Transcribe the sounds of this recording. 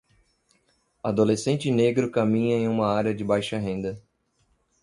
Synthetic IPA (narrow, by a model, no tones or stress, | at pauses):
ad̪olesẽnt͡ʃɪneɡɾʊkamĩɲɐẽj̃ũmɐaɾɐd͡ʒɪbajʃɐɦẽnd̪ɐ